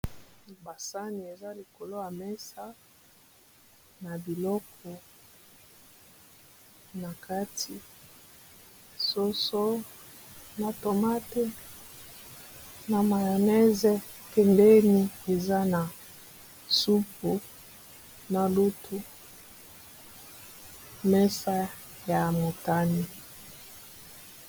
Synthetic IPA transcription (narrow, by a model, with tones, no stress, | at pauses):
ba˨sa˦ni˨e˨za˦li˨ko˨lo˦ja˨mɛ˦sa˦ | na˨bi˨lɔ˦k̚ʰɔ˨ | na˨ka˦tʰi˨ | so˦so˦ | na˨to˨ma˦te˦ | na˨ma˨jo˨nɛ˦zɛ˦ | kɛ˨nde˦ni˦e˨za˦na˨ | su˦p̚u˨ | na˨lu˦tʰu˦ | mɛ˦sa˦ | ja˨mo˨ta˦ni˦